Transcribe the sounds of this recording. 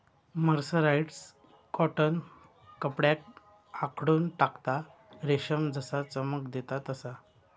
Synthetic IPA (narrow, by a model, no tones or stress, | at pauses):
məɾsəɾaiʈs | kɔʈənː | əpɽjak | akʰɽuːnʈakt̪a | ɾeɕəmd͡zəsat͡səməkd̪et̪at̪əsa